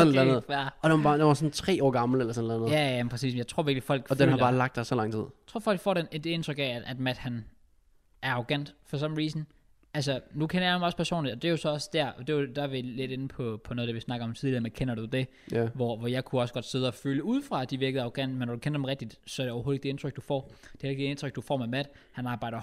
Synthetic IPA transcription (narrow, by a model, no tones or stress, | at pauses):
snlænð̩ˠæɐɒd̥eɑbɑːd̥enʋɑsɔn̩t͡sʰʁɛ̰ːɒ̰ːɡ̥ɑ̈ml̩elɐsɔnlænð̩ˠjææmpʰɛsḭːsmen̩jɑɪt͡sʰʁo̝ɐʋiɐ̥lifɒ̽l̰ɡ̥d̥enhhlbɑ̈ːlɑ̈ɡ̥̚d̥ɑsɒlɑ̈ŋt͡sʰið̰̥ˠt͡sʰo̝̰ɐfɒ̽l̰ɡ̥fɒ̰ːɾened̥ee̝nd̥ʁœɡ̥ɛææd̥mæd̥hæn | æɐɑ̈ʁoɡ̥æn̰d̥fɒ̽s̬ɒ̽mn̩ʁiːsn̩ | ʔæls̬ənukʰenɐjɑdemɒspʰæɐso̝̰ːnlid̥ɒ̽d̥e̝jo̝sɒ̽ɒ̽sd̥æɐɒd̥e̝jod̥æʋile̝d̥e̝nəpʰɒ̽pʰɒnoɔð̩̥ˠeʋisnɑ̈ɡ̥ɐɒ̽mt͡sʰiðˠliɐmekʰenɐd̥ud̥e̝ | ʋɒʋɒjɑ̈ɪkʰuɒ̽sɡ̥ɒ̽d̥se̝ð̞ˠəɒ̽føːljəuð̞̰ˠfʁɑ̈d̥iʋiɐɡ̥ð̩ˠɑ̈ʊɡ̥æn̰d̥̚menːɒd̥ukʰenɐd̥emʁɛɡ̥̚d̥id̥sɒ̽æɐɾeɒʊhoːeɡ̥̚d̥ee̝nt͡sʰʁœɡ̥̚d̥ufɒ̰ːd̥e̥eleɡd̥ee̝nt͡sʰʁœɡ̥̚d̥ufɒ̰ːmemæd̥ | hænɑ̈ːbɑ̈ɪ̰ɾ̥ɐ